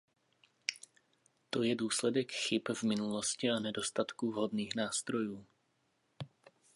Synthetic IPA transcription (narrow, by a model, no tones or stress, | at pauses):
t̪o̞jɛduːslɛdɛkxɪpvmɪnuloscɪanɛdo̞st̪at̪kuvɦodniːxnaːst̪ɾo̞juː